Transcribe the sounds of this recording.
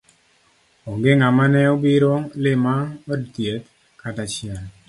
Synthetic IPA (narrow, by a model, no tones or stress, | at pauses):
oɡɪŋamanɛobiɾolɪmaodtjet̪ | katat͡ʃɪɛl